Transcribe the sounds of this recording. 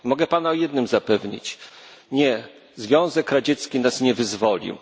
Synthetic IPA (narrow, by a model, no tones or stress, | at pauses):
mɔɡɛpanaɔjɛd̪nɘmzapɛvɲḭt͡ɕ | ɲɛ | zvʲjɔ̃w̃zɛkɾad͡ʑɛt̪skʲinasɲɛvɘzvɔlʲḭw